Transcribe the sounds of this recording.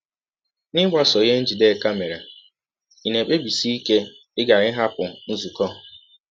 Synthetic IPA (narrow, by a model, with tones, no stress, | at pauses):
nɪ˦ɡ͡bʷa˦sɔ˨ɣe˦n̩˦d͡ʒi˨de˦˨ka˦me˨ɾa˨ | i˨ne˨k͡pe˦bi˨si˦i˦ke˦ | ɪ˦ɡa˨ɾɪ˦ɦa˦pʊ˨n̩˦zu˨kɔ˦˨